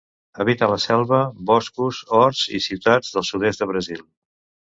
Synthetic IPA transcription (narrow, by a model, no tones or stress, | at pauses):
əβit̪ələsɛlˠβəbɔskuzɔɾzḭsiwt̪ad͡zðəlˠsuðezd̪əβɾəzilˠ